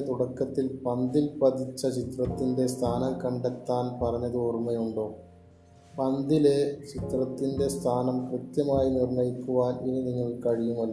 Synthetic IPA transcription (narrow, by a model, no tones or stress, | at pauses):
t̪uɽɐkːɐt̪ːilpɐnd̪ilpɐðit͡ɕːɐt͡ɕit̪rɐt̪ːinde̞st̪ʰaːnɐmkɐɳɖɐt̪ːaːnpɐrɐɲːɐðɨormɐjuɳɖo̞ː | pɐnd̪ilet͡ɕit̪rɐt̪ːinde̞st̪ʰaːnɐmkrɨt̪jɐmaːjinirɳɐjikːuʋaːneniniŋːɐɭkɐɻijumɐlːɐ